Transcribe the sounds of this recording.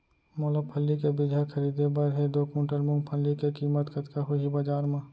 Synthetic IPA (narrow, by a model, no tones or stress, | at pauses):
moːləpʰɐlːikebɪd̪ʱaxʰɐɾiːd̪ebɐɾɦed̪oːkũːʈəlmʊ̃ŋɡpʰəlːikekiːmət̪kɐt̪kaɦʊiɦibɐd͡ʒaːɾmã